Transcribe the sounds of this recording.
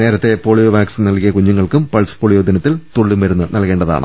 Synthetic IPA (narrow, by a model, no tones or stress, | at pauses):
ne̞ːɾɐt̪ːe̞po̞ːɭijoʋaːksnnɐlkijɐkuɲːuŋːɐɭkumpɐɭsɨ̥poɭijoːd̪ɐnɐt̪ːilt̪oɭːumʋɐɾunːɨnʔɐlke̞ːɳɖɐða̰ːɳɨ̰